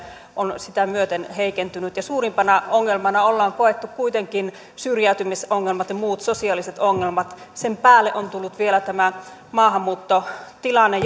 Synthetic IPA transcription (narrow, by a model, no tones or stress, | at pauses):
ʔonsit̪æmyøt̪enheikent̪ynyt̪jɑsuːrimpɑnɑoŋːelmɑnɑolːɑːŋkoet̪ːukkuit̪eŋkin | syrjæyt̪ymisoŋːelmɑt̪jɑmuːt̪sosiɑliset̪oŋːelmɑt̪sempæːlːeʔont̪ulːut̪ʋielæt̪æmæ | mɑːhɑmːuːt̪ːot̪ilɑnːe